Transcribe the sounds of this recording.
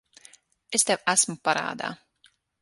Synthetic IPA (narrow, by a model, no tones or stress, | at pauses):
est̪ɛwæsmupaɾa̰ːd̪a̰ː